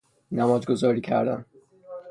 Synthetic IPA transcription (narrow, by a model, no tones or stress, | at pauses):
næmɒːzɡozɒːɾiːcʰæ̰ɾd̪æ̰n